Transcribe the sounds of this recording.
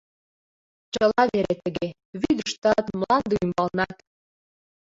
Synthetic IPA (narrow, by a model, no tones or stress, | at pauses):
t͡ɕəlɑβeɾet̪ə̆ɣe | βyd̪əʃt̪ɑt̪mlɑnd̪eymbɑlnɑt̪